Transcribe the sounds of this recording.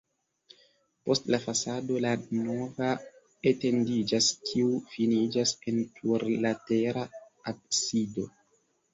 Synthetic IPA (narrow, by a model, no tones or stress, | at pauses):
po̞stlafasado̞lano̞va | ete̞ndid͡ʒaskʰiufinid͡ʒase̞ntʰuɾlate̞ɾaabsido